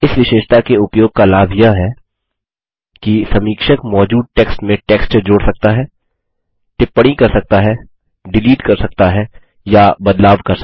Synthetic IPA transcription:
ɪsʋɪʃeːʃt̪akeʊpjoːɡ̚kalaːbʱjaɦɛ | kisɐmiːkʃəkmɔːd͡ʒuːd̪̚ʈɛːksʈmẽʈɛːksʈt͡ʃed͡ʒoːɽsɐk̚t̪aɦɛː | ʈɪpːəɽ̃ikɐɾsɐk̚t̪aɦɛ | ɖɪliːʈkɐɾsɐk̚t̪aɦɛ | jabɐd̪laːʋkɐɾs

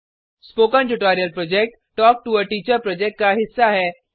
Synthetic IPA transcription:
spokə̃nʈuʈɔɾijəlpɾɔd͡ʑek̚ʈːɔːk̚ʈuəʈiːt͡ɕəɾpɾɔd͡ʑek̚ʈ̚kaɦisːaɦɛ

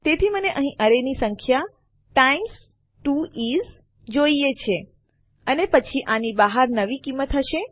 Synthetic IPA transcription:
t̪et̪ʰiməneʔəɦĩʔəɾenisəŋkʰja | ʈaims | ʈuiz | d͡ʒoiet͡ʃʰe | ənepət͡ʃʰiʔanibaɦaɾnəʋikimːət̪ɦəʃe

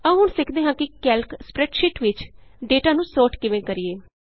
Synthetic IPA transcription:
əːɦʊɳsɪkʰd̪eːɦãːkɪkɛːlkspɾɛːʈʃɪʈʋɪt͡ʃɖeːʈaːnũːsoːʈkɪʋẽːkəɾieː

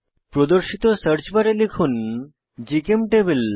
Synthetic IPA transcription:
pɾod̪oɾʃit̪osəɾd͡ʑbaɾelekʰun | d͡ʑikemʈebel

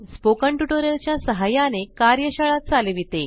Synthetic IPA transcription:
spokəɳʈuʈoɾəlt͡ɕjasəɦajanekaɾjəɕəɭat̪̚t͡salʋit̪e

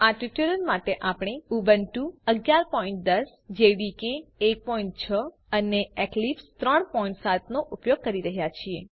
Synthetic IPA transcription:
aʈiʈjuɾəlmaʈeʔapɳ̃euʋənʈuəɡjaɾpɔĩɳʈ̚d̪əs | d͡ʒeʋikeːk̚pɔĩɳʈ̚t͡ʃʰə | əneɛklipst̪ɾəɳpɔĩɳʈsat̪noʔupjoɡ̚kəɾiɾəɦjat͡ʃʰie

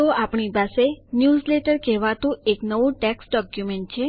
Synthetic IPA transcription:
oapɳipasenjuzleʈəɾkɛʋat̪ũeknəʋũʈɛksɖɔkjumeɳʈ̚t͡ʃʰe

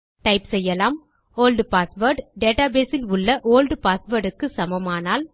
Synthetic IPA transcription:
ʈɐɪpsɛjːɐlaːm | oːlɖpaːsʋɐɾɖɖeːʈaːbeːsɪlʊɭːɐʔoːlɖpaːsʋɐɾɖɯkːɯsɐmɐmaːnaːl

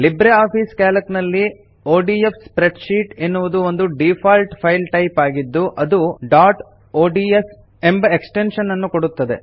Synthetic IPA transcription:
libɾeaːpʰiːskaːlɐknɐlːi | oːɖiefspɾeɖʃiːʈenːuʋud̪uond̪uɖipʰaːlʈpʰɐjlʈɐjpaːɡid̪ːuʔɐd̪uɖaːʈ | oːɖiːes | e̞mbɐeksʈenʃɐnːɐnːukoɽut̪ːɐd̪e̞

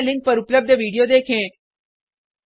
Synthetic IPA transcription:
liŋk̚pəɾupləb̚d̪ʱjəʋiɽijod̪ekʰẽ

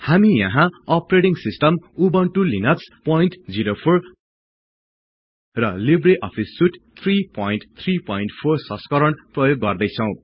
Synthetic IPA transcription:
hamijʌɦãʌpreʈiŋsisʈʌmubʌnʈulinʌkspʌinʈd͡ziɾopʰor | rʌlibreʔʌpʰisːuʈt̪ʰripʌinʈt̪ʰripʌĩnʈpʰorsʌ̃skʌɾʌɳprʌjoɡːʌrd̪ʌjt͡sʰʌw̃

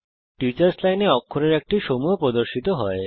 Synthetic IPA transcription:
ʈit͡ɕaɾslajneɔkʰːoɾeɾek̚ʈiʃomuopɾod̪oɾʃit̪oɦɔe

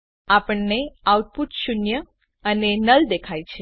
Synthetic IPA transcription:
apəɳneawt̪̚put̪ʃunjə | ənenəld̪ekʰajt͡ʃʰe

